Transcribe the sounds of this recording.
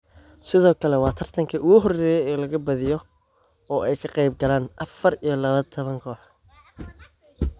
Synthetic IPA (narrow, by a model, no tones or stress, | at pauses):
sɪðɔːkʰɐlɛwɑːt̪ʰɐr̥t̪ʰɐŋkʰɐʔʊɣʊɦɔrɛːjɛjɛːlɐɣɐbɐðɪjɔ | ɔːʔɛjkʰɐqɑjb̚ɡɐlaːnʔɐfɐɾijɞlɐβɐt̪ʰɔβɐŋkʰɔːħ